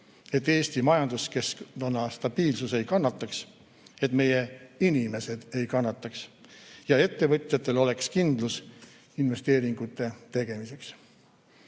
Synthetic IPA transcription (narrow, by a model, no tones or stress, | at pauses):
e̞t̪ːe̞ːst̪imɑjɑnd̪̥uske̞sknonːɑst̪ɑb̥iːlsuse̞jkɑnːɑt̪ːˑɑks | e̞t̪ːˑme̞jeinime̞se̞d̪̥e̞jkɑnːɑt̪ːˑɑksjɑe̞t̪ːe̞vɤt̪ʲˑjɑt̪ːˑe̞lo̞le̞kskind̪lus | inve̞st̪e̞ːɾiŋɡ̥ut̪ːˑe̞t̪e̞ɡ̥e̞mise̞ks